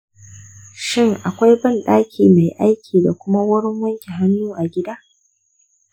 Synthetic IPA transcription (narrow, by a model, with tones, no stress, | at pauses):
ʃɪ˦ŋʔa˨kʷa˦jbɐ˦˨nɗaː˦kʲʰiː˨ma˨jʔa˦jkʲʰiː˨da˨kʷʊ˦ma˦wʊ˦ɽɪ˦ŋwɐ˦ŋkʲi˨ɦa˦nːuː˦ʔa˨ɡʲɪ˦daː˦